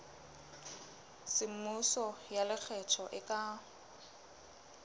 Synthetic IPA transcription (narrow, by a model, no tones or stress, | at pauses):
sɪmusɔjalɪk͡xʰɛt͡ʃʰɔʔɪkʼa